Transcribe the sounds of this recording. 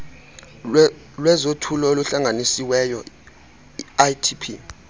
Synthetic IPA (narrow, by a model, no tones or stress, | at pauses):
lwɛzotʰulɔoluɬaŋanisiwɛjɔ | iajtʰipʰḭ